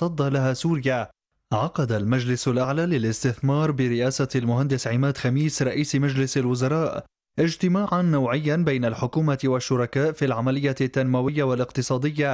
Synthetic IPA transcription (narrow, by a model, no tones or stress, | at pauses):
ɑd̪ˤːɑlaɦaːsuːɾɪja | ʕɑqɑd̪almad͡ʒlɪsalʔaʕlaːlɪlɪst̪ɪθmɑːɾˤbɪɾɪʔaːsalmʊɦand̪ɪsʕɪmaːd̪xamiːsɾˤɑʔiːsmad͡ʒlɪsalwʊzɑɾˤɑːʔ | ʔɪd͡ʒt̪ɪmaːʕanːawʕɪjːanbajnalħʊkuːmawaʃːʊɾˤɑkaːʔfilʕamalɪjːat̪ːanmawɪjːawalɪqt̪ɨsˤɑːd̪ɪjːa